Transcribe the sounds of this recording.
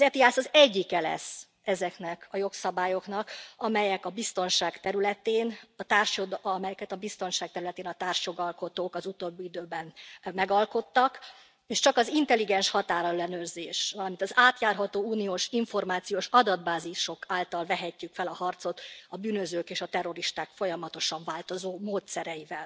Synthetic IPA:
zɛt̪iaːsɒzɛɟːikɛlɛ̰sː | ɛzɛknɛkɒjo̞ksɒbaːjo̞knɒkɒmɛjɛkɒbist̪o̞nʃaːkt̪ɛɾylɛt̪eːnɒt̪aːrʃjod̪mɛjɛkɛt̪ɒbist̪o̞nʃaːk̚t̪ɛɾylɛt̪eːnɒt̪aːrʃjo̞ɡɒlko̞t̪oːkɒzut̪oːbːiid̪øːbɛnmɛɡɒlko̞t̪ːɒk | eːʃt͡ʃɒkɒzint̪ɛliɡɛnʃhɒt̪aːɾɒɛlːɛnøːrzeːʃʋɒlɒmint̪ɒzaːt̪jaːrɦɒt̪oːuːnioːʃiɱfo̞rmaːt̪sijoːʃɒd̪ɒd̪baːziʃo̞kaːlt̪ɒlvɛɦɛcːykfɛlɒhɒrt̪so̞t̪ɒbyːnøzøːkeːʃɒt̪ɛro̞ɾiʃt̪aːkfo̞jɒmɒt̪o̞ʃɒɱvaːlt̪o̞zoːmoːt̪sɛɾɛjivɛl

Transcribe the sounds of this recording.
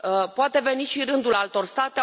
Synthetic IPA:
əpoat̪e̞ve̞niʃiɾɨnd̪ulalt̪o̞rst̪at̪e

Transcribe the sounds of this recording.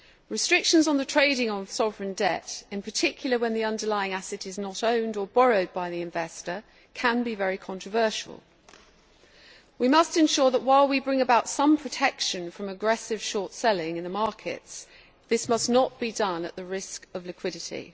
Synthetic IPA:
ɹɨstɹ̥ɪkʃə̃nzn̩ðətʰɹ̥eɪɾɪ̃ŋə̃nsɒvɹə̃ndɛtɪ̃npʰətʰɪkʰjl̩ˠəwə̃nðiʌ̃ndəlaɪɪ̃ŋasɨɾɪznəɾə̃ʊ̃ndəbɒɹəʊd̚baɪðiɪ̃ɱvɛstə | kʰə̃nbivɛɹikʰɒ̃ntɹ̥əvɜˑʃə̰l̩ˠ | wimʌstɨ̃nʃɔːðəʔwaɪlˠwibɹɪ̃ŋəbaʊtsʌ̃mpʰɹ̥ətʰɛkʃə̃nfɹə̃məɡɹɛsɪv̥ʃɔɹtsɛlɪ̃ŋɪ̃nðəmɑˑkʰɪ̰ts | ðɪsmʌsnəʔ̚b̥idʌ̃nə̰ʔðəɹɪskəvlɪkʰw̥ɪɾɪtʰḭ

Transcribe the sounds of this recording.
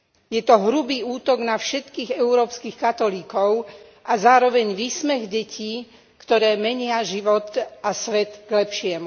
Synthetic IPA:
jɛt̪ɔɦɾubiːuːt̪ɔɡnafʃɛt̪kiːɣɛʊɾɔːpskixkat̪ɔliːkɔʊʔazaːɾɔʋɛɲʋiːsmɛɣɟɛciː | kt̪ɔɾɛːmɛɲɪaʒiʋɔt̪asʋɛt̪ɡlɛpʃɪɛmu

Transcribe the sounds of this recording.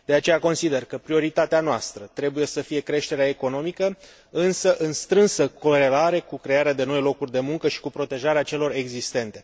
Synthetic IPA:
d̪̥e̞at͡ʃe̞jako̞nsid̪e̞rkəpɾio̞ɾit̪at̪eanoast̪ɾət̪ɾe̞buje̞səfije̞kɾe̞ʃt̪e̞ɾeaeko̞no̞mikə | ɨnsəʔɨnst̪ɾɨnsəko̞ɾe̞laɾe̞kukɾe̞jaɾead̪e̞no̞jlo̞kurʲd̪e̞muŋkəʃi̥kupɾo̞t̪e̞ʒaɾeat͡ʃe̞lo̞re̞ɡzist̪e̞nt̪e̞

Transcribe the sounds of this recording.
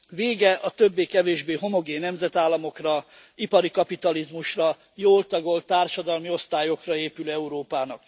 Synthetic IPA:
veːɡɛʔɒt̪øbːeːkɛveːʒbeːɦo̞mo̞ɡeːnːɛmzɛt̪aːlːɒmo̞krɒ | ipɒɾikɒpit̪ɒlizmuʃrɒ | joːlt̪ɒɡo̞lt̪aːrʃɒd̪ɒlmio̞st̪aːjo̞krɒeːpylɛuɾoːpaːnɒk

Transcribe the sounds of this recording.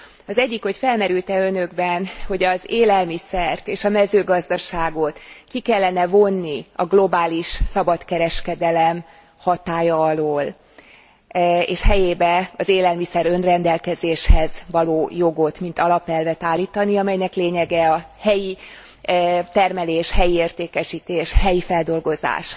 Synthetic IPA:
ɒzɛɟːikho̞cfɛlmɛɾylt̪ɛø̞nø̞ɡbɛnho̞ɟɒzeːlɛlmisɛrt̪eːʃɒmɛzøːɡɒzd̪ɒʃaːɡo̞t̪kikɛlːɛnɛvo̞nːiɒɡlo̞baːliʃsɒbɒt̪kɛɾɛʃkɛd̪ɛlɛm | hɒt̪aːjɒːloːl | ḛːʃhɛjeːbɛɒzeːlɛlmisɛɾø̞nrɛnd̪ɛlkɛzeːʃhɛzvɒloːjo̞ɡo̞t̪mint̪ɒlɒpɛlvɛt̪aːlːiːt̪ɒniɒmɛjnɛkleːɲɛɡɛɒ | hɛji | t̪ɛrmɛleːʃhɛjieːrt̪eːkɛʃiːt̪eːʃhɛjifɛld̪o̞lɡo̞za̰ːʃ

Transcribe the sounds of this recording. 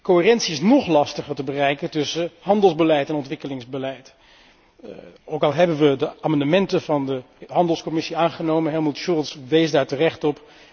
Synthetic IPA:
koɦɪːrɛntsiɪsnɔχlɑstəχəɹtəbərɛjkətɵsəɦɑndəlˠzbəlɛjtɛnɔntʋɪkəlɪŋzbəlɛjt | owkɑlˠɦɛbənʋədəaːmɑndəmɛntəvɑndə | ɦɑndəlˠskɔmɪsiaːnχənowmənɦɛlˠmutʃʊlˠtsʋejsdaːɹtərɛχtɔp

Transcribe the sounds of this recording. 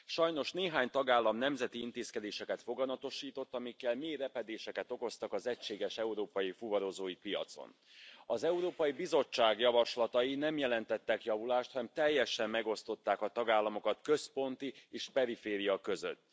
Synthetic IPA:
ʃɒjno̞ʃneːɦaːɲt̪ɒɡaːlːɒmnɛmzɛt̪iint̪eːskɛd̪eːʃɛkɛt̪fo̞ɡɒnɒt̪o̞ʃiːt̪o̞t̪ːɒmikːɛlmeːɾɛpɛd̪eːʃɛkɛt̪o̞ko̞st̪ɒkɒzɛcʃeːɡɛʃɛuɾoːpɒjifuvɒɾo̞zoːjipijɒ̰t̪so̞̰n | ɒzɛuɾoːpɒjibizo̞t͡ʃːaːɡjɒvɒʃlɒt̪ɒjinɛmjɛlɛnt̪ɛt̪ːɛkjɒvulaːʃt̪hɒnɛmt̪ɛjːɛʃɛmːɛɡo̞st̪o̞t̪ːaːkɒt̪ɒɡaːlːɒmo̞kɒt̪kø̞spo̞nt̪ieːʃpɛɾifeːɾijɒkø̞zø̰t̪ː

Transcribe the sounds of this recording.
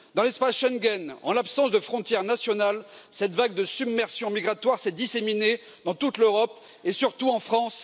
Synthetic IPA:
d̪ɑ̃lɛspasʃɛŋɡʲɛnɑ̰̃lapsɑ̃sd̪əfχɔ̃t̪jɛʁnasjɔnal | sɛt̪vaɡd̪əsybmɛʁsjɔ̃miɡʁat̪waʁsɛd̪isemine | d̪ɑ̃t̪ut̪løʁɔp | esyʁt̪uɑ̃fχɑ̃s

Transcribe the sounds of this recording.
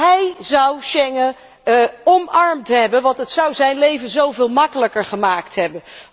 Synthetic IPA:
ɦɛjzɑwʃɛŋə | ɔmɑɹmtɦɛbənʋɑntɦətsʌwzɛjnlejvənzowvɪːlˠmɑkələkəɹχəmaːktɦɛbən

